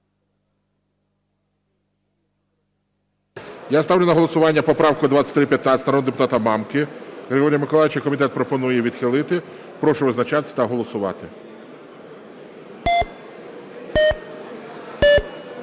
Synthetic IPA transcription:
jast̪ɑwlʲɪʊnɐɦɔlˠɔsʊʋɑnʲːɐpɔpɾɑwkʊd̪ʋɑt͡ssʲɐ̥t̪ʲɾɪpjɐt̪nɑsʲt̪ɾɔd̪epʊt̪ɑt̪ɐmɑmkɪɣɾʲeɦɔɾʲijɐmɪkɔlˠɑjʲɪt͡ʃɐkɔmʲit̪̬ɛt̪̚pɾɔpɔnujɛʋʲid̪xɪlˠɪt̪ɪ | pɾɔʃʊʋɪznɐt͡ʃɑt̪ɪ̥sʲt̪ɐɦɔlˠɔsʊʋɑ̰t̪ɪ

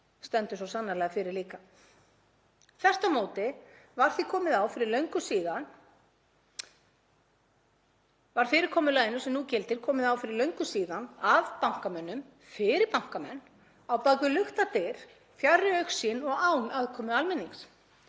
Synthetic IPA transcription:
st̪ɛnt̪ʏsɔsanːalɛɣafɪɾɪɾliːka | θɛr̥t̪amoːwt̪ɪvaɾ̥θikʰɔːmɪðaːwfɪɾɪɾlœɥŋkʏsiːðan | vaɾ̥fɪːɾɪɾ̥kʰɔːmʏlaːjðɪnːʏsɛmnucɪlt̪ɪɾ̥kʰɔːmɪðawfɪɾɪɾlœɥŋkʏsiːðanavpawŋ̥kamɛnːʏm | fɪɾɪɾpawŋ̥kamɛnː | awpaːkʏlʏxt̪at̪eɾ̥ | fjarːɪœɥxsinɔɣawnaðkʰɔːmʏalmɛnːiŋs

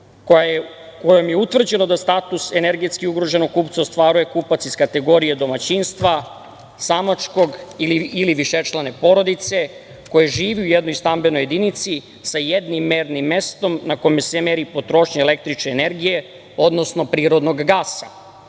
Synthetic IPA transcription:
k | kojomjeut̪ʋr̩d͡ʑeno̞d̪ast̪aːt̪usene̞ɾɡe̞t̪skiuɡɾo̞ʒe̞noɡ̚kuːpt̪seost̪ʋaːɾuje̞kuːpat̪siskat̪e̞ɡo̞ɾijed̪o̞mat͡ɕinst̪ʋa | samat͡ʃko̞ɡiliiliʋiʃet͡ʃlˠane̞po̞ɾo̞d̪it̪se̞ | ko̞jeʒiːʋiujed̪no̞jst̪ambe̞no̞je̞d̪init̪si | sajed̪nimːeɾnimːe̞st̪o̞mnako̞mesemeɾipo̞t̪ɾo̞ʃɲeːlek̚t̪ɾit͡ʃneːne̞ɾɡije | o̞d̪no̞sno̞pɾiːɾo̞d̪no̞ɡɡaːsa

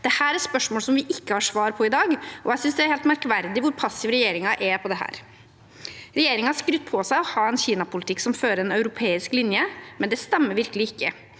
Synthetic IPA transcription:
d̪̥ɛhæːɾæɾspœʂmoːlsɔmʋɪʔɪkːəhɑʂʋɑːɾpʰɔɪd̪ɑːɡʔɔ̰æɪsʏnsd̪ɛæɾhɛːlt̪mæɾkʋæɾd̪ɪʋʊɾpʰɑsːɪʋɾɛjeːɾɪŋɑʔɛpʰɔd̪ɛhæ̰ːɾ | ɾɛjeːɾɪŋɑɑʂkɾʉt̪̚ːpʰɔsæɪɔhɑːɛnçiːnɑpʊlɪt̪ʰɪkːsɔmføːɾəɾɛnœʉɾʊpʰeːɪsklɪnjəmɛnd̪ɛst̪ɛmːəɾʋɪɾkəlɪɪkːə

